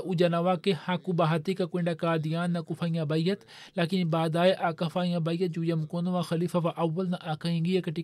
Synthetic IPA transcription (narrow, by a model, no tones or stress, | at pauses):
ʔud͡ʒɐnɐʋakehãːkubaɦat̪ikakwẽːɳɖakaːd̪ijaːnːɐkufʰaːĩjãbaːijɐt̪ | laːkinbaːd̪aːeʔaːkɐfaːĩjãːbaijɐt̪̚d͡ʒujɐmkoːnɐʋãxɐliːfaʋaʔɐʋːɐlnɐʔaːkɐĩŋɡijekɐʈi